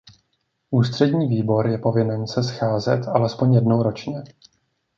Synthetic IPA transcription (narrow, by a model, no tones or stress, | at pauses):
ʔuːst̪r̝̥ɛdɲiːviːbo̞ɾjɛpo̞vɪnɛnsɛsxaːzɛt̪ʔalɛspo̞ɲjɛdno̞wɾo̞t͡ʃɲɛ